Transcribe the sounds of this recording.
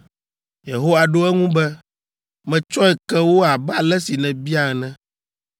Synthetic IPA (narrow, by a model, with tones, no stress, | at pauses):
je˨ɦo˦wa˨ɖo˦ɛ˦ŋũ˦bɛ˦ | mɛ̃˨t͡ʃɔ˦ɛ˨kɛ˦wo˦a˨ba˨lɛ˦si˨nɛ̃˨bi˦a˨ɛ˨nɛ̃˦